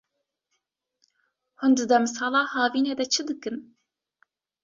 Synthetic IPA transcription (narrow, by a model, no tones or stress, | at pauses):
hʊnd̪ɨd̪ɛmɨsɑːlɑːhɑːviːned̪ɛt͡ʃʰɨd̪ɨkɨn